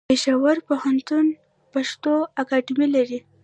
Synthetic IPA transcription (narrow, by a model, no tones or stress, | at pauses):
peʃɑwaɾpohant̪un | paʃt̪oakɑɖimilaɾi